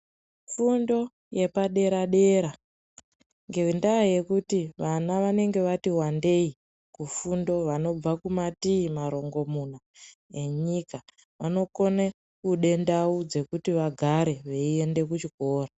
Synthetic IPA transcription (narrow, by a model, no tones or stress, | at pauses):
fundo̞ | je̞paɗe̞ɾaɗe̞ɾa | ŋɡe̞indaaje̞kutiʋanaʋane̞ŋɡe̞ʋatiɦwande̞i | kufundo̞ʋano̞b͡vakumatiːmaɾo̞ŋɡo̞muna | e̞ɲika | ʋano̞ko̞ne | kuɗe̞ndaud͡ze̞kutiʋaɡʱaɾe̞ʋe̞ie̞nde̞k̬ut͡ʃiko̞ːra